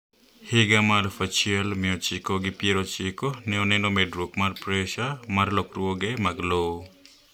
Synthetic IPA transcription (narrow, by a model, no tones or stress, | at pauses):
heɡamalfʰat͡ʃialmiot͡ʃikɔɡipieɾɔt͡ʃikɔneonenɔmedɾukmaɾpɾesamaɾlɔkɾuɔɡemaɡlow